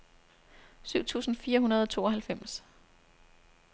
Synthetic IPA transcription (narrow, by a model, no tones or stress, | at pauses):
syʊ̰t͡sʰṵːsn̩fiːɐɦunɐð̞ˠɒ̽t͡sʰo̝ːɒ̽ɦælfem̰s